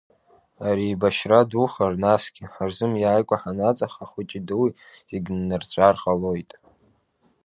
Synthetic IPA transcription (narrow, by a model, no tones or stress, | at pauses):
aɾiːbaʃraduχarnasɡʲɪħarzɨmjaːjkʷʼaħanat͡sʼaχaχʷʊt͡ʃʼidɨwiziɡʲnːɨrt͡sʷʼarʁalojtʼ